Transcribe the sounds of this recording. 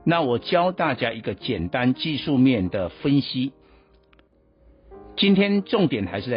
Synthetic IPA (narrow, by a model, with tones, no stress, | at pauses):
na˥˨wɔ˨˩t͡ɕjɑ˦ʊt̪a˥˨t͡ɕja˥ʔi˧˥ɡə˧˨t͡ɕjɛ˨˩nt̪a˦nt͡ɕi˥˧ʂu˥˧mjɛ˥˨nd̪ə˩fə˦nɕi˦ | t͡ɕi˥nt̪ʰjɛ˥nʈ͡ʂʊ˥˨ŋt̪jɛ˨˩nxa˧ɪʂɻ̩˥˧t͡sa˥